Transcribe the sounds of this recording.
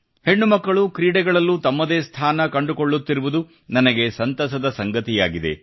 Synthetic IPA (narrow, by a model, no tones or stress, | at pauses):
he̞ɳːumɐkːɐɭukɾiːɽɛɡɐɭɐlːut̪ɐmːɐd̪eːst̪ʰaːnɐkɐɳɖukoɭːut̪ːiɾuʋud̪u | nɐnɐɡe̞sɐnt̪ɐsɐd̪ɐsɐŋɡɐt̪ijaːɡid̪e̞̰